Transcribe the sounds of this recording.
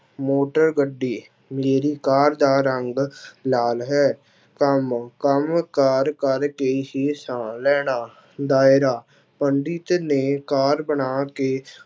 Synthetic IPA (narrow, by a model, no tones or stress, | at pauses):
moːʈəɾɡəɖːiː | meːɾiːkaːɾd̪aːɾəŋɡlaːlɦɛː | kəmkəmkaːɾkəɾkeːɦiːsãːlɛːɽaː | d̪aːɪɾaː | pəɳɖit̪neːkaːɾbəɳaːkeː